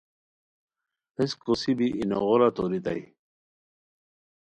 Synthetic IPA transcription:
eskosibiʔino̰ʁoɾat̪oɾit̪a̰j

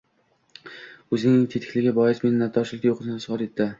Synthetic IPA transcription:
ɵzɪŋnɪŋʲt̪ʰet̪ʰɪ̥kʲlɪɡʲabɒjɪsme̞nɪnat̪ʰːɒʃlˠɪkʲajoqʰɨzɪnɪsʊʁɑɾe̞t̪ʰːɪ

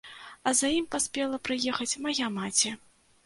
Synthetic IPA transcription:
ɐzajimpasʲpʲɛlˠɐpɾɨjɛxɐt͡sʲmajamat͡sʲɛ

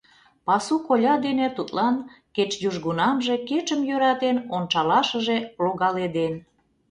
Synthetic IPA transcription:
pɑsukolʲɑd̪enet̪ut̪lɑnket͡ʃjuʒɣunɑmʒeket͡ʃəmjøɾɑt̪enont͡ʃɑlɑʃəʒe̽ploɣɑled̪en

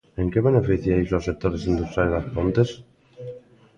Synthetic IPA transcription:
eŋkeβenefiθjaisosek̚t̪oɾesind̪ust̪ɾalzðaspont̪es

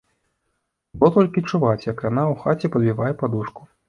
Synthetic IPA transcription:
b̪ɔt̪ɔlʲkʲit͡ʂuvat͡sʲjɐkjanawxat͡sʲɛpɐd̪bʲivajɛpad̪uʂku̥

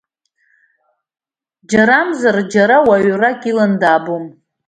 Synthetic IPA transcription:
d͡ʒaɾamzard͡ʒaɾawaɥrakʲʼilandaːbom

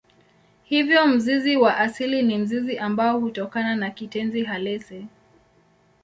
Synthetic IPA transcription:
hivjɔm̩ziziwaʔasilinim̩ziziʔambaɔhutɔkananakitɛnziɦalɛsɛ

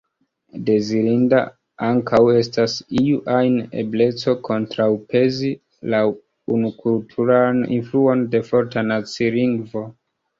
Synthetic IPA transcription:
de̞ziɾinda̰ | aŋkʰawe̞stasiuʔajne̞̰ble̞t͡so̞kʰo̞ntɾawpe̞zi | la | unukultʰuɾanḭnfluo̞nde̞fo̞ɾtanat͡siliŋɡvo̞

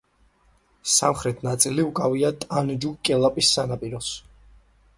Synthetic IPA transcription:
samχɾɛt̪ʰnat̪sʼiliukʼaviat̪ʼand͡ʒukʼɛlˠapʼisːanapʼiɾɔs

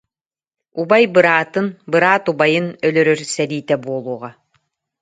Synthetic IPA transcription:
ubajbɯɾaːt̪ɯnbɯɾaːt̪ubajɯnœlœɾœɾsɛliːt̪ɛbuɔlˠuːʁa

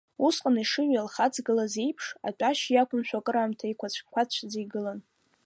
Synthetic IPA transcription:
usqʼaniʂɨɥalχat͡sʰʼɡɨlazejpʰʂa̰tʼaʃjakʷʊmʃʷᶣakʼɨɾaːmtʰaikʷat͡ɕʷʰkʷʰat͡ɕʷʰd͡zejɡɨlan

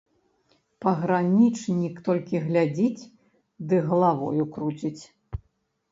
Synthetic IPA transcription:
pɐɣɾanʲit͡ʂnʲikt̪ɔlʲkʲiɣlʲad͡zʲit͡sʲ | d̪ɨɣlˠavɔ̰jukɾut͡sʲit͡sʲ

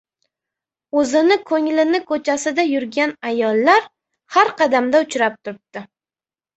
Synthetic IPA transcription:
ɵzɪnɪkʰɵŋlɪnɪkʰɵt͡ʃʰasɪd̪ajʊɾɡʲanajɒlˠːaɾ | haɾqʰɑd̪amd̪aʊt͡ʃʰɾap̚t̪ʰʊɾɪp̚t̪ɪ

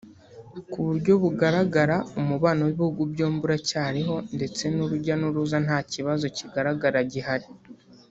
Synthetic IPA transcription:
kuβuɾɟo̞βuɡaɾaɡaɾaumuβaːnowiβihuɡubɟo̞ːmbuɾacaːɾiɦo̞nde̞t͡se̞nuɾuɟanuɾuzan̥haːciβazo̞ciɡaɾaɡaɾaɟihaɾi

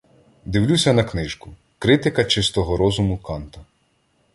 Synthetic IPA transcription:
d̪ɪwlʲusʲɐnɐknɪʒkʊ | kɾɪt̪ɪkɐt͡ʃɪst̪ɔɦɔɾɔzʊmʊkɑnt̪ɐ

